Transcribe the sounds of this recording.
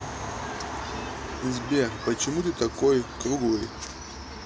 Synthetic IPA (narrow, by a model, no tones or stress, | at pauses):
zʲbʲepət͡ɕɪmut̪ɨt̪ɐkojkɾuɡlˠɨj